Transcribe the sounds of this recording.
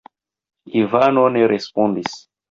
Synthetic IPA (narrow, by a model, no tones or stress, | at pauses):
ivanoneɾʔespondis